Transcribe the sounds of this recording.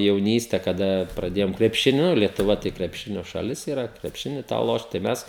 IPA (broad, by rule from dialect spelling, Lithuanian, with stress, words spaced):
jɛʊˈnʲiːsʲtʲɛ kɐˈdɐ prɐˈdʲeːjoːmʲɛ krʲɛpʲʃʲɪˈnʲʊ lʲiɛtʊˈʋɐ tɐɪ krʲɛpʲˈʃʲɪnʲoː ʃɐˈlʲɪs iːˈrɐ krʲɛpʲˈʃʲɪnʲɪ tɑː ˈlˠoːʃt tɐɪ ˈmʲɛs